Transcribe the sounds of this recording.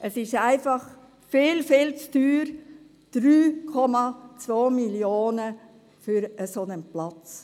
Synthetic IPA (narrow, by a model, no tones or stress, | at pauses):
ʔəsɪʃæɪfɑχ | fɪːlfɪlt͡styːɾ | d̥ɾyːkʰɔmɑt͡sʋoːmiljoːnə | fyɾəsonənplɑt͡s